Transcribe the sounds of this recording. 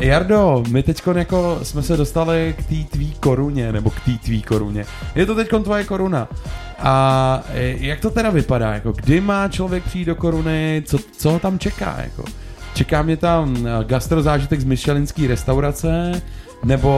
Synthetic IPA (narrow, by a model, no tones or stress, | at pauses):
jaɾdo̞mɪt̪ɛcko̞njako̞smɛsɛdo̞st̪alɪkt̪iːt̪viːko̞ɾuɲɛnɛbo̞kt̪iːt̪viːko̞ɾṵɲɛ̰ | jɛt̪ot̪ɛcko̞nt̪vojɛko̞ɾuna | ʔa | jak̚t̪o̞t̪ɛɾavɪpada̰ːja̰ko̞ɡdɪmaːt͡ʃlo̞vjɛk̚prɪjiːdoko̞ɾunɪt͡sot͡soɦot̪amt͡ʃɛka̰ːja̰ko̰t͡ʃɛkaːmɲɛt̪amɡast̪ɾo̞zaːʒɪt̪ɛɡzmɪʃɛlɪnskiːɾɛst̪awɾat͡sɛ | nɛbo̞